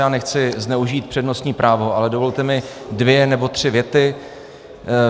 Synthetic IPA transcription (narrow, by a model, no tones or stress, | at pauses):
aːnɛxt͡sɪznɛuʒiːt̪̚pr̥ɛdno̞st̪ɲiːpɾʔaːvo̞ʔalɛdo̞vo̞lt̪ɛmɪ | dvjɛnɛbo̞t̪r̥ɪvjɛt̪ɪ